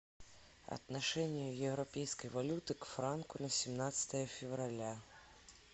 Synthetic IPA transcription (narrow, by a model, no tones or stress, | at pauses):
ɐ̰t̪naʂɛnʲɪjʊjɛvɾapʲejskəjvalʲut̪ɨkfɾankʊnɐsʲɪmnat̪sə̥t̪əjəfʲɪvɾalʲa